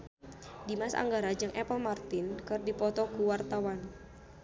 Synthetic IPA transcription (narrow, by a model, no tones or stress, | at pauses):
dimasa̰ŋɡaɾad͡ʒɨŋʔɛpɔlmart̪ɪnkɨrdipɔt̪ɔkuwart̪awan